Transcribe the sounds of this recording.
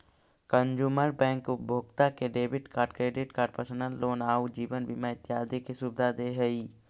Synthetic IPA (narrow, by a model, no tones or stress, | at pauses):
kə̃ɲd͡ʒuːməɾbɛ̃ːŋkbʱoːɡt̪akeɖeːbɪʈkaːɾʈkɾeːɖɪʈkaːɾɖpəsənənloːnaːud͡ʒiːʋənbimaɪt̪ːɪjaːd̪ikisubd̪ʱad̪eɦɐiː